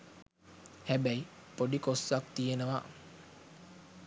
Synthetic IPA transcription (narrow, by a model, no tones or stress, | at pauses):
hæbæipoɖikosːak̚t̪ijenəʋa̰